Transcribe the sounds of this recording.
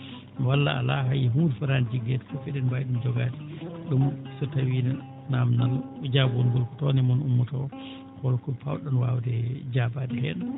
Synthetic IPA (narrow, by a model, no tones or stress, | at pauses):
walːa̰ːlaɦajiɦuːɾfaɾand͡ʒiɡːɛtfɔfɛɗɛnbajɗumd͡ʒɔɡaːti̥ɗumsɔtawina | namnanud͡ʒabɔnɡɔlkɔ̥tɔnɛmɔnumːutɔ | kɔlkɔpa̰wɗɔnwa̰wdɛd͡ʒabadɛhɛ̰n